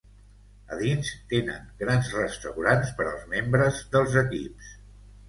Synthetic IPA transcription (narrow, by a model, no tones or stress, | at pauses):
ə̰ðinst̪enə̰ŋɡɾanzrəst̪əwɾanspəɾəlˠzmembɾəzðəlˠzəkḭps